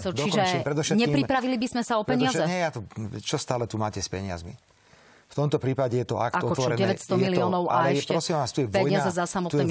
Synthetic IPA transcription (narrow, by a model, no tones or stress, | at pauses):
sɔdt͡ʃ̪iʒɛpɾɛd̪ɔfʃɛt̪ɲɛpɾipɾaʋilibizmɛsaɔpɛɲɪɪazɛɛjat̪ut͡ʃɔst̪aːlɛt̪umaːcɛspɛɲɪa̰zmḭ | ft̪ɔmt̪ɔpɾiːpaɟɛjɛt̪ɔa̰ktaɔkɔʋɔɔɛd͡ʑɛʋɛcst̪ɔmiliɔːnɔʊʔalɛɛɛʃpɾɔsimnast̪ujɛʋpɔɛɲjɪazɛzasamɔt̪ɛ